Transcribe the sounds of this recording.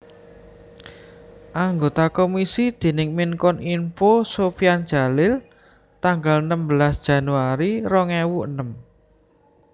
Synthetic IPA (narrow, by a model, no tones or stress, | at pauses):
ʔaŋɡot̪akomisid̪̥e̤nɪŋminkɔninfosofiand̥d͡ʒ̥a̤lɪl | t̪aŋɡalnəmbəlasd̥ʒ̥a̤nuaɾiɾɔŋɛwuʔənəm